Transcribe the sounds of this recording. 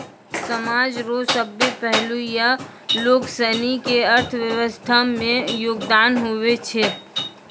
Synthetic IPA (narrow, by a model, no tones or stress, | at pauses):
səmaːd͡ʒɾoːsəbːipɛɦlujaloːksənikeəɾt̪ʰʋjəʋəst̪ʰamẽjoːɡd̪aːnɦowet͡ʃʰe